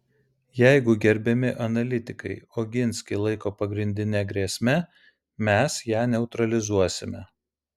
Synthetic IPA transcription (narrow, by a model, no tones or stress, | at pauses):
jɛɪɡʊɡʲɛɾʲbʲɛmʲɪʔɐnɐlʲɪt̪ʲɪkɐɪoːɡʲɪnʲsʲkʲɪlˠɐɪkoːpɐɡɾʲɪnʲd̪ʲɪnʲɛɡɾʲiɛsʲmʲɛ | mʲɛsjæːnʲɛʊt̪ɾɐlʲɪzuɔsʲɪmʲɛ